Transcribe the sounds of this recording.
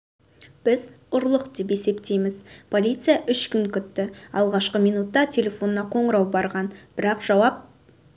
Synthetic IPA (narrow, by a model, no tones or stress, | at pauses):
b̥ɪz | ʊɾlˠəqd̪e̞p̬e̞se̞pt̪e̞jmɪzpʰo̞lʲijt̪sɨjaʔʏʃkʲʏŋkʲʏt̪ːɪɑlˠʁɑʃqəmijnut̪ːɑt̪ʲʰe̞lʲe̞fo̞nːɑqʰo̞ɴəɾɑwbɑɾʁɑnb̥ɪɾɑqʒ̥ɑwɑp̚